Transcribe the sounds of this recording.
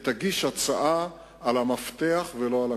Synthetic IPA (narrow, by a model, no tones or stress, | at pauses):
t̪aɡiʃat͡saʔa | alamaft̪eaχveloala